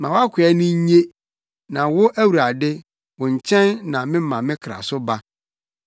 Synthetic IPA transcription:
mã˨wa˦kʰʷʊ˨ɛ˦nʊ̃˦ɲ˦ɲe˦ | nã˨wʊ˦ʔæ˦wu˨ɾa˨dɪ˦ | wʊ̃˨ɲ̩˨t͡ɕʰɛ̃˦nːã˨mɪ̃˦m˦mã˨mɪ̃˦kʰɾa̰˨sʊ˦ba˦

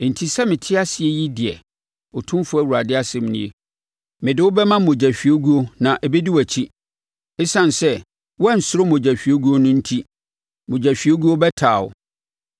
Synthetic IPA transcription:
n̩˨tʰi˦sɛ˦mɪ̃˨tʰɪ˦a˦sɪ˨ɛ˦ji˦dɪ˨ɛ̰˨ | ʊ˨tʰʊ̃˦m˦fʊ˦æ˨wu˨ɾa˨dɪ˦a˦sɪ˦˨m˦nĩ˦e˨ | mɪ̃˨dɪ˦wʊ˦bɛ˦mã˦ʊ̃˨d͡ʑæ˨ɕᶣɥo˦ɡu˦o˦nã˨ʔɛ˨be˦di˦wæ˨t͡ɕʰi˦ | ɪ˦sã˦n˨sɛ˦ | wɔ˦ɛ˦n̩˨sʊ˦ɾʊ˦mo˨d͡ʑæ˨ɕᶣi˨o˦ɡu˦o˦nʊ̃˦n̩˦tʰi˦ | mõ˨d͡ʑæ˨ɕᶣi˨o˦ɡu˦o˦bɛ˦tʰaː˨ʊ̰˨

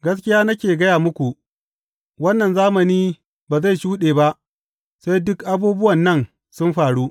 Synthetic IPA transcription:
ɡɐ˦s̬kʲɪ˦jaː˦nɐ˦kʲeː˨ɡɐ˦jaː˨mʊ˦kʷu˨ | wɐ˦nːɐ˨nzaː˦mɐ˨niː˦ | baː˨za˦˨jʃuː˦ɗeː˨ba˦ʔ | sa˦jdʊ˦kʔa˦buː˦bʊ˦wɐ˨nːɐ˦˨n | sʊ˦mɸaː˨ɽuː˦ʔ

